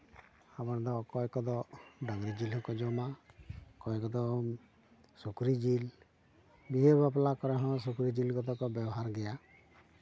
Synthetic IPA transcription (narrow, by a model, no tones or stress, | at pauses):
amaɾd̪ɔkɔɛkɔd̪ɔɖaɡɾid͡ʒilɦɔ̃kɔd͡ʒɔmakɔɛkɔd̪ɔ | sukɾid͡ʒil | biɦebap̬lakɔɾɛɦɔ̃s̬ukɾid͡ʒilɡɔd̪ɔkɔbɛbɔɦaɾɡɛja